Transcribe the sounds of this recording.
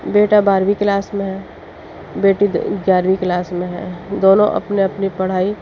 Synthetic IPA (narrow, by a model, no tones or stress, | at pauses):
beːʈabaːɾwiklaːsmẽɦɛː | beːʈiɪɡjaːɾwiklaːsmẽɦɛ̰̃d̪oːnõ̰ʔɐ̰pneɐpnipɐɽ̤aːi